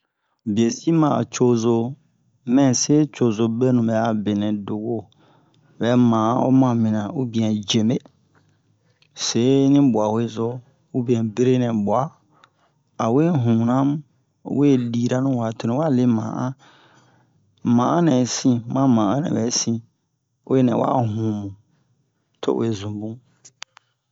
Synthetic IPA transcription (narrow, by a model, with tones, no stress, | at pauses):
bi˨e˨si˦mã˨a̰˨t͡ʃo˦zo˨ | mɛ̃˦˨se˦t͡ʃo˨zo˨be˦nũ˨bɛ˨a˨be˨nɛ̃˨do˨ɡo˦˨ | bɛ˨˦mãː˨ã˦o̰˦mã˨mĩ˨nã˨u˦bĩ˨˦ɛ̃˨d͡ʒe˨me˦ | se˨˦nĩ˦bu˨a˨we˨zo˦ | u˦bĩ˦ɛ̃˨be˦ɾe˦nɛ̃˨bwa˦ | a˨we˦ɦũ˨nã˦m˦ | we˦˨liː˨ɾa˦nũ˦wa˨to˨nĩ˨˦wa˦le˦mã̰˨ʔã˦ | mã˨ʔã˦nɛ̃˨sĩ˦mã˦mã˨ʔã˦nɛ̰̃˨bɛ˨˦sĩ˦ | o̰˦e˦nɛ̰̃˨wa̰˦ɦũ˨mũ˨ | tʰo̰˦ʔw̰e˨zũ˨bũ˦